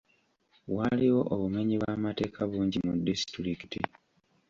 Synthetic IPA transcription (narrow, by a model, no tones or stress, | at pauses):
waliwo̞ʔoβume̞ɲiβwaːmate̞ːkʰaβuːɲɟimudisi̥tɾikiti